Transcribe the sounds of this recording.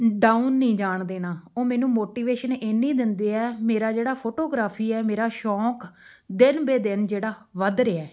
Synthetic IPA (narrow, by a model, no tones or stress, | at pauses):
ɖaːunːĩːd͡ʒaːɳd̪eːnaːoːmɛ̃ːnũːmoːʈiːʋeːʃəneːnĩːd̪ɪnd̪eːɛːmeːɾaːd͡ʒeːɽaːpʰoːʈoːɡɾaːpʰiːɛːmeːɾaːʃɔːk | d̪ɪnbeːd̪ɪnd͡ʒeːɽaːʋəd̪ɾeːɛː